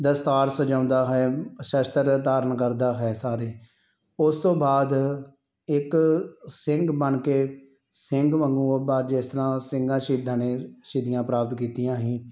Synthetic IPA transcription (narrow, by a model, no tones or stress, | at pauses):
d̪əst̪aːɾsəd͡ʒãːnd̪aːɦɛːʃəʃt̪əɾt̪aːɾənkəɾd̪aːɦɛːsaːɾeː | ʊst̪õːbaːd̪ | ɪksɪ̃ŋɡbəɳkeː | sɪŋɡʋəŋɡuːbaːɾd͡ʒɪst̪əɾãːsɪŋɡãːʃiːd̪aːneːʃiːd̪ɪjãːpɾaːp̚t̪kiːt̪ɪjãːɦĩː